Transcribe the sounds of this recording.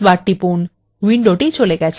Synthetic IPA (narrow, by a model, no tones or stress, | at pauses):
ʋaʈːipun | ʋiɳɖoʈit͡ɕoleɡat͡ɕʰ